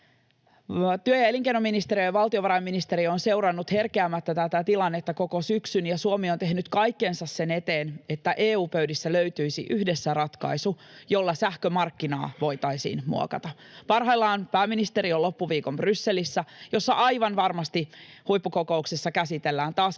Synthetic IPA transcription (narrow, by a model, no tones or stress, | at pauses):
t̪yøjæeliŋkenominist̪eɾijojɑʋɑlt̪ioʋɑɾɑjmːinist̪e̞ɾio̞nse̞uɾɑnːut̪he̞rkeæmːæt̪ːæt̪æt̪æt̪ilɑnːet̪ːæko̞ko̞syksynjɑsuomio̞nt̪e̞ɦhnyt̪kɑjkːe̞nsɑsːene̞t̪e̞ːne̞t̪ːæʔeːuːpøydisːæløɥt̪yisḭʔyhdesːærɑt̪kɑ̰jsu | jo̞lːɑsæhkømɑrkːinɑ̰ːʋo̞jt̪ɑjsḭːnmṵo̰kɑt̪ɑ | pɑrɦɑjlːɑːnpæːmːinist̪e̞ɾiolo̞pːuʋiːko̞mbrysːe̞lisːæjo̞sːɑʔɑjʋɑnʋɑrmɑst̪ihujpːuko̞ko̞uksesːɑkæsit̪e̞lːæːnt̪ɑːs